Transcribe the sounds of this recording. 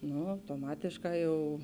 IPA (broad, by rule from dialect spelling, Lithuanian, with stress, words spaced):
ˈnʊ ɐʊtoːˈmɑːtʲeːʃˌkɑː jɛʊ